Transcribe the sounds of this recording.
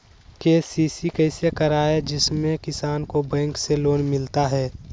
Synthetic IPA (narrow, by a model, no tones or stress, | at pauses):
keːsiːsikəɪsekɐɾaːed͡ʒɪsmẽkɪsaːnkobɛ̃ːŋkseloːnmɪlt̪aɦɛː